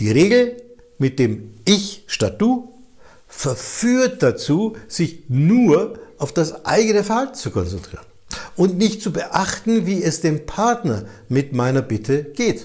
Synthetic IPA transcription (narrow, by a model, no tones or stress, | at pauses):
d̥iːʁeːɡl̩ | mɪt̚d̥eːmɪçʃtat̚d̥uː | fɛɐfyːɐt̚d̥at͡suːz̥ɪçnuːɐʔaʊfd̥asʔa̰ɪɡənəfɛɐhaltn̩t͡sukʰɔ̰nt͡sɛntʁ̥ḭːʁənʔʊntnɪçtt͡subəʔaχtn̩viːɛsd̥eːmpʰaɐtnɐmɪtmaɪnɐbɪtʰəɡ̥eːt